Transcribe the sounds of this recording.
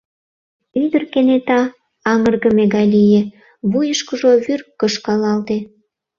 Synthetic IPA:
yd̪ərkenet̪ɑ | ɑŋərɣə̆meɣɑjlijĕ | βujəʃkəʒoβyrkːəʃkɑlɑlt̪e

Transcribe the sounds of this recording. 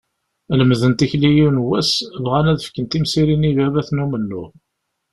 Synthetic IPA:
ləmðənt̪içlijunwæsvʁænæðəfkənt̪imsiɾinivævæθnumənːu

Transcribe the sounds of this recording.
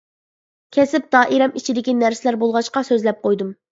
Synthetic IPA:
kʲʰɛsɪp̚d̪ɑːʔiɾɛmit͡ʃʰid̪ɪkʲinæɾsɪlæɾbolˠʁɑʃqɑsøzlɛp̚qʰojd̪um

